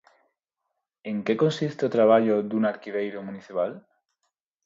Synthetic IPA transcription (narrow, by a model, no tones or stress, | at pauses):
eŋkekonsist̪ot̪ɾaβ̞aʎod̪unaɾkiβejɾomuniθipal